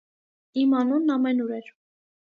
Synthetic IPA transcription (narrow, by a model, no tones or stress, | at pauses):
imɑnunːɑmɛnuɾɛɾ